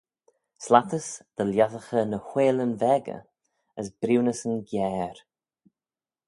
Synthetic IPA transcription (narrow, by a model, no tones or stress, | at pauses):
slat̪əsd̪̥əljaðəxənəhweːlənvɛɡə̰ | əsb̥ɾiwnəsənɡjɛːɾ